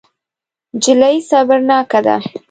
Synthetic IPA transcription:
d͡ʒɪlajsɑbaɾnɑkad̪a̰

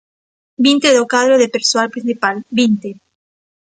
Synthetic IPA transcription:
bint̪eðokaðɾoðepeɾswalpɾĩnsipalbint̪e

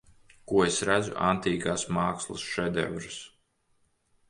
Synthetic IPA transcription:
kuɔesɾæd̪zṵʔa̰nt̪iːɡaːsmaːkslˠa̰sʃɛd̪ɛ̰vɾɨs

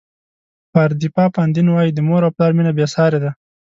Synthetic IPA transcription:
paɾd̪ipɑpand̪inwɑjid̪əmoɾawplɑɾminabjesɑɾed̪a

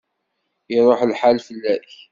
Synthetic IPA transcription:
iɾˤoħlħalfəlːæç

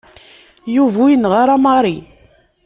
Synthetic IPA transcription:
juvujənʁaɾˤamɑɾˤi

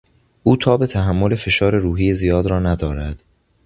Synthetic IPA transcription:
ʔuːt̪ʰɒːbe̞t̪ʰæɦæmːole̞fe̞ʃɒːɾe̞ɾuːɦiːjezijɒːd̪ɾɒːnæd̪ɒːɾæd̪̥

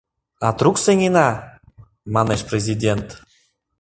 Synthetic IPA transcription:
ɑt̪ruksenʲinɑ | mɑneʃprʲezʲidʲent̪

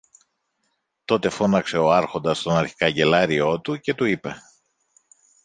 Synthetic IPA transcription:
t̪o̞t̪e̞fo̞nɐkse̞o̞ɐɾxo̞nd̪ɐst̪o̞nɐɾçi̥kɐɲɟe̞lɐɾio̞t̪uce̞t̪uipe̞

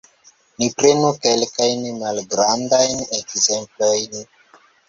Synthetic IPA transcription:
nipɾenuke̞lkajnmalɡɾandajnekzemplojn

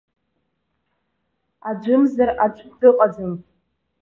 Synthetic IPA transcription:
ad͡ʒʷɨmzarat͡ʃʷʰʼdɨqʼad͡zanʼ

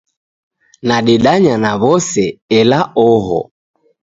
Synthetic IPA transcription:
naɗɛɗaɲanaβɔsɛɛlaʔɔɦɔ̰

